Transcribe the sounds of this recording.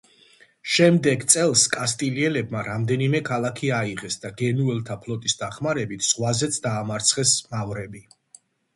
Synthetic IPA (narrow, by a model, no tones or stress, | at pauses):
ʃɛmd̪ɛɡt̪sʼɛlˠskʼast̪ʼiliɛlɛbmaɾamd̪ɛnimɛkʰalˠakʰiaiʁɛsd̪aɡɛnuɛlˠt̪ʰapʰlˠɔt̪ʼisd̪aχmaɾɛbit̪ʰz̥ʁwazɛt̪sʰd̪aːmaɾt̪sʰχɛsmavɾɛbi